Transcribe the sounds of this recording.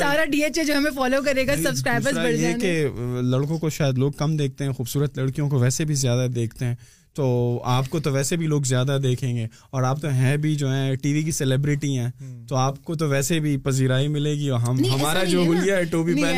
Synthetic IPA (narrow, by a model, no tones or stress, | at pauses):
saːɾaɖiːeːt͡ʃed͡ʒoːɦɛmẽfɔːloːk̬ɐɾeːɡasɐbskɾaːɪbəɾaəjɛkelɐɽkõkoʃaːjəd̪loːɡ̚kɐmd̪eːk̚t̪eɦɛ̃ːxuːbsuːɾət̪lɐɽkijõkoʋɛːsebʱizjaːd̪ad̪eːkʰt̪eɦɛ̃ː | t̪oːaːpkot̪oʋɛːsebʱiloːɡzjaːd̪ad̪eːkʰẽːŋɡeː | ɔːɾaːp̚t̪oɦɛ̃bʱid͡ʒoːɦɛ̃ʈiːʋik̬isɛlɪbɾɪʈiɛ̃ːt̪oaːp̚kot̪̬oʋɛːsebʱipɐziːɾaːimɪleːɡiɔːɾɦɐmɦɐmaːɾad͡ʒoːɦʊlijaɦɛʈoːbiɛ